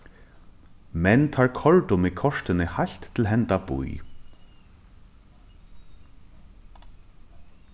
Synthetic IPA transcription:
mɛnt̪ʰaːɹkʰɔɹt̪ʊmɪkʰɔʂt̪ɪnɪhajɬt̪ʰːɪlɦɛnt̪abṵj

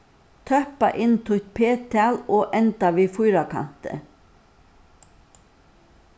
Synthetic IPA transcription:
t̪ʰœpa̰ʔɪnt̪ʰʊt̪̚pʰeːt̪ʰaloːʔɛnt̪aʋiːfʊjɾakʰa̰n̥t̪ə̰

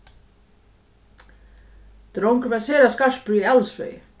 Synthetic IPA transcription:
t̪ɾowŋkɾvasɛːɾaskar̥spʏɾialsvḛːj

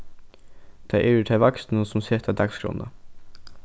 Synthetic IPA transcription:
d̪̥ʰɑɪʔeːʉːʈ̪ʰeʋɑksn̩osɔmseːt̪ʰɑd̪ɑksɡɾʊ̰nə̰

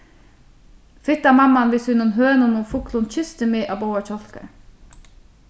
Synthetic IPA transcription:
fɪt̪ɑːmɑmɑnʋɪshʉnɔnɦøːnoːnuːfʊklʊnc͡çʏst̪əmeːʔɑːboːəc͡çɔlkə̰

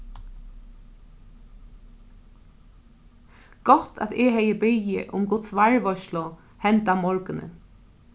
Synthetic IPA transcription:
ɡ̥ɔt̪ʰa̰t̪ehɛjəbɪjɪ̰ʔʊ̰mɡʊt̪sʋaɹʋɔʃlʊ | hɛnt̪amɔɹkɪnə̰

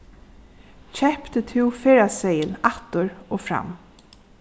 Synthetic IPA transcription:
çɛhpt̪ət̪ʰɪwfeːɾasɛjənat̪ʏɾoːfɾa̰m

